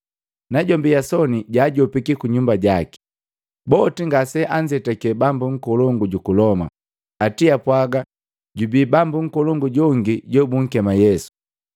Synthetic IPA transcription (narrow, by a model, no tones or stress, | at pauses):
naɟɔmbiasɔniɟaːɟɔpikikuɲumbaɟaki̥ | bɔtiŋɡasɛʔaɲd͡ʒɛtakɛbambuŋ̩kɔlɔŋɡuɟukulɔma̰ | atiapwaɡa | ɟubiːbambuŋ̩kɔlɔŋɡuɟɔŋɡiɟɔbuŋ̩kɛmajɛsu̥